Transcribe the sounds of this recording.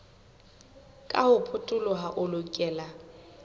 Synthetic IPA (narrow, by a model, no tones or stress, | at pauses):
kʼahʊpʰʊtʼʊlʊɦaʔʊlʊkʼɛːla